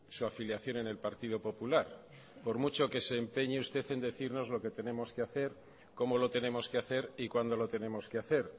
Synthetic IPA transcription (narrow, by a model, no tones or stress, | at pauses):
suafiljaθjo̞ne̞ne̞lpaɾt̪ið̞opo̞pulaɾ | po̞ɾmut͡ʃo̞ke̞se̞ːmpe̞ɲeust̪e̞θe̞nd̪e̞θiɾno̞zlo̞ke̞t̪e̞ne̞mo̞skeaθe̞ɾ | ko̞mo̞lo̞t̪e̞ne̞mo̞skeaθe̞ɾikwand̪o̞lo̞t̪e̞ne̞mo̞skeaθe̞ɾ